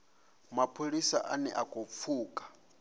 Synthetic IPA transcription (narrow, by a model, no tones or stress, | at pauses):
mapʰoɺisaʔanɛ̰ʔakʼop̪fʰuːkʼḁ